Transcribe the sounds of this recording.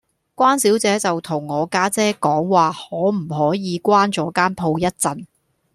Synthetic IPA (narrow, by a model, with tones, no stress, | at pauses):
kʷwaː˥nsiː˨˥wt͡sɛː˨˥t͡sɐ˨wt̪ʰʊ˨˩ŋːɔː˨˧kaː˥t͡sɛː˥kɔː˨˥ŋwaː˨hɔː˨˥m̩˨˩hɔː˨˥jiː˨˧kʷaː˥nt͡sɔː˨˥kaː˥npʰo˧wjɐ˥t̚t͡sɐ˨n